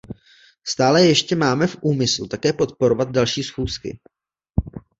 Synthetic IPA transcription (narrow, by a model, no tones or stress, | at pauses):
st̪aːlɛjɛʃcɛmaːmɛfʔuːmɪslut̪akɛːpo̞t̪̚po̞ɾo̞vad̪̚dalʃiːsxuːskɪ̰